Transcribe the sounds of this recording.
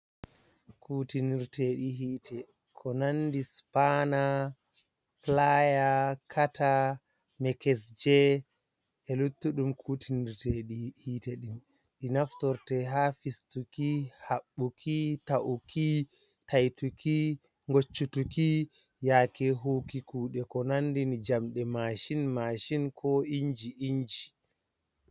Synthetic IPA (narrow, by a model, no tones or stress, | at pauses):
kuːtiniɾteɗiɦiːtʰɛ | kʰɔnandispana | flajakʰata | mɛkɛsd͡ʒɛ | ɛlutːuɗumkʰuːtiniɾteɗihiːtɛɗin | ɗinaftɔɾtɛɦafistukihaɓːukʰitaʔuki | tajtuki | ŋɡot͡ʃːutuki | jaːkɛɦokikuːɗɛkɔnandinid͡ʒamɗɛmaʃinmaʃinkʰɔiɲd͡ʒiʔiɲd͡ʒi